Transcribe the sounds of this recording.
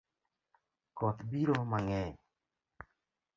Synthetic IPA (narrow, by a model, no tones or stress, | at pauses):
kɔt̪biɾomaŋɛ